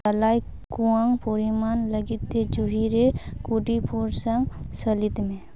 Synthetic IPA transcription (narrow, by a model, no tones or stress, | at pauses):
əlaj | kuaŋɡpoɾimaːnləɡit̪ed͡ʒuɦiɾekuɖipʰuɾsəŋɡsəlit̪mẽ